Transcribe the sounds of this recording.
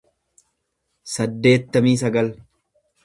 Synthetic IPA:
sɐd̪ːe̞ːt̪ːɐmiːs̬ɐɡɐl

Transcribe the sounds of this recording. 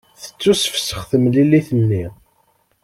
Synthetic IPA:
θə̥t͡sːusə̥fsə̥χθəmlilːiθənːi

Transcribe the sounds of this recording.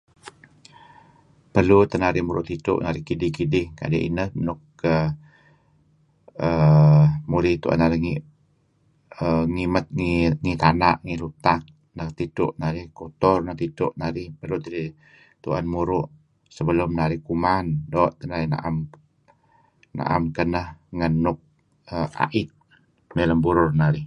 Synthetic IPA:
pərlut̪ənaɾɪhmuɾʊ̰ʔt̪it̪ʊ̰ʔnaɾɪhkidɪhkidɪhka̰daʔḭnəhmənʊkː | ə | ə | muɾɪht̪ṵʔa̰naɾɪhŋi | əŋimət̪̚ŋiŋit̪ana̰ʔŋilut̪ak̚ | nəht̪it̪ʊʔnaɾɪhkot̪ɔrnəht̪it̪ʊʔnaɾɪhpərlut̪iɾi | t̪uʔa̰nmuɾʊʔ | səbəlʊmnaɾɪhkumandɔʔt̪ənaɾɪna̰ʔam | na̰ʔa̰mkənəhŋənːʊk̚ | əa̰ʔɪt̪̚ | nələmbuɾʊrnaɾɪh

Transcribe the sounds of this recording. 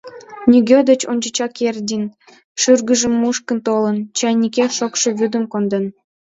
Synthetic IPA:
nʲiɡʲød̪ə̆t͡ɕonʲd͡ʑə̆t͡ɕɑkerʲdʲin | ʃyrɡə̆ʒə̆mːuʃkə̆nt̪olə̆nt͡ɕɑjnʲːikʲeʃokʃɤ̆βyd̪ə̆mkond̪ə̆n

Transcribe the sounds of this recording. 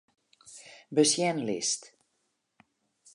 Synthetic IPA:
bəsjɛnlɪ̰st

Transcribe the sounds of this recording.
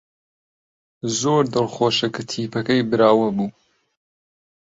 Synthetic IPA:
zoːɾd̪ɨlˠχoːʃɐkɨt̪ʰiːpɐkɐjbɨɾaːwɐbuː

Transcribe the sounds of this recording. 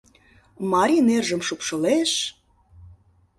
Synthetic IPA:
mɑɾʲinerʒə̆mʃupʃɤ̆leʃ

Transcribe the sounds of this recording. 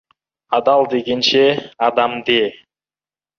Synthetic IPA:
ɑd̪ɑlˠd̪eɡʲenʃeɑd̪ɑmd̪e

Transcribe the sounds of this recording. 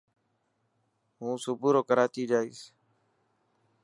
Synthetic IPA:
ɦũːsʊbʱuɾoːkəɾaːt̪iːd͡ʒaːḭːs

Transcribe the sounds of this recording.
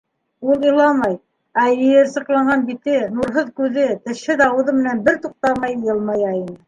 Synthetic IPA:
ulˠɤ̆lˠɑmɑj | æɘ̆jɘɾsɤ̆qlˠɑɴɢɑnbit̪ɘnuɾɦɤðkʉðɘt̪ɘ̆ʃhɘðɑwɤ̆ðɤmɘ̆nænbɘɾt̪uq̚t̪ɑmɑjjɤlˠmɑjæinɤ

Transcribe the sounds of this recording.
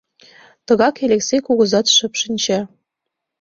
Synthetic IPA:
t̪ɤ̆ɣɑkelʲeksekuɣɤ̆zɑt̪ʃə̆pʃə̆nʲt͡ɕĕ

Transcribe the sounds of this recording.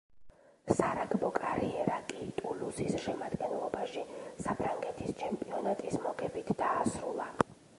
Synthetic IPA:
saɾaɡbɔkʼaɾiɛɾakʼit̪ʼulusisʃɛmad̪̥ɡɛnlˠɔbaʃisapʰɾaŋɡɛt̪ʰist͡ʃʰɛmpʼiɔnat̪ʼismɔɡɛbit̪ʰd̪aːsɾulˠa

